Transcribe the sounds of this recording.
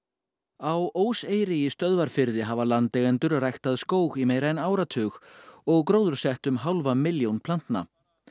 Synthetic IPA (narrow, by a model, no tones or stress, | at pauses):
awoːwseːjɾɪjɪst̪œðvaɾ̥fɪɾðɪɦavalant̪ejɣant̪ʏɾrajht̪aðskoːwɣimeːjɾaɛnaːwɾat̪ʰʏːxɔɣkɾoːwðʏɾ̥sɛht̪ʏmɦawlvamɪljownpʰlan̥t̪na̰